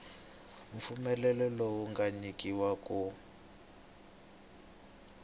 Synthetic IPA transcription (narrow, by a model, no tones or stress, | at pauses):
ɱfumɛlɛlɛlɔwuŋɡaɲikiwaku